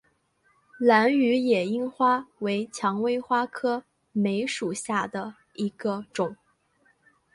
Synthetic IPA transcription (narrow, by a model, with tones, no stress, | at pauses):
la˧˥ny˧˥jɛ˨˩i˥ŋxwa˥we˧˥ɪt͡ɕʰjɑ˧˥ŋwe˥ɪxwa˥kʰɤ˥ | me˧˥ɪʂu˨˩ɕja˥˩d̪ə˩ | i˧˥ɡ̥ə˧ʈ͡ʂʊ˨˩˦ŋ